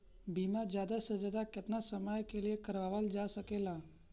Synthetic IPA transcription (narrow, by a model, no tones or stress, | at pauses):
bʱimad͡ʒjad̪asəd͡ʒad̪akət̪nasəməjkeliekəɾʋaʋəld͡ʒasəkela